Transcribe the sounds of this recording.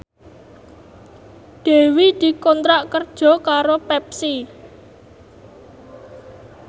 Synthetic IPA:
d̪̥e̤wid̪̥i̤kɔnt̪ɾaʔkərd̥ʒ̥ɔ̤kaɾopɛp̚si

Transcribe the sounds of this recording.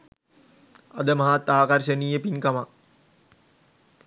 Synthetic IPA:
ad̪əmɐɦat̪ːaːkarʃəniːjəpinkama

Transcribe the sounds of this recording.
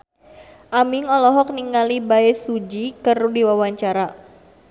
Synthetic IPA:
ʔamiŋɔlɔɦɔk̚niŋalibaɛsud͡ʒikərudiwawaɲt͡ʃaɾa

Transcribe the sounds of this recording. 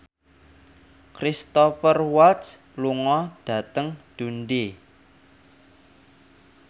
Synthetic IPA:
kɾist̪ɔfərwat̪s | luŋɔɖ̥ä̤t̪əŋɖ̥unɖe

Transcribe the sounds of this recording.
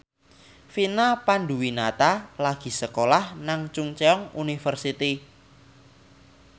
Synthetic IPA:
finapanduwinat̪alaɡ̥i̤səkolahnaŋt͡ʃuŋt͡ʃeɔŋunifərsit̪i

